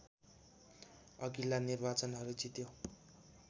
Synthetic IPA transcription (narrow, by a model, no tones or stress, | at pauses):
ʌɡilanirbat͡sʌnʌɾud͡zit̪jo